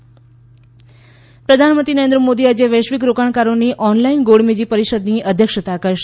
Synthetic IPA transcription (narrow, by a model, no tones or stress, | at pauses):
pɾəd̪ʱanmə̃nt̪ɾinəɾend̪ɾəmod̪iad͡ʒeʋəʃʋikɾokaɳ̃kaɾoniʔɔnlainɡoɽmed͡ʒipəɾiʃəd̪niʔəd̪ʱjəkʂət̪akəɾʃ